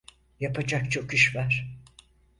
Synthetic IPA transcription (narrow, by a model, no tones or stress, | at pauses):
japʰad͡ʒak̚t͡ʃʰo̞kyʃvaɾ̥